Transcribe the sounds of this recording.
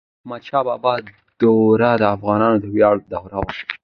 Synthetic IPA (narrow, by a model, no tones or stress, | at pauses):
mat͡ʃɑbɑbɑ | d̪̥oɾad̪əafɣɑnɑnod̪əwjɑɽd̪awɾawaʃ